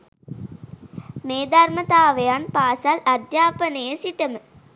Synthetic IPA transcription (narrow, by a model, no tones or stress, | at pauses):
meːd̪armət̪aːʋejanpaːsalad̪jaːpənəjəsiʈəmə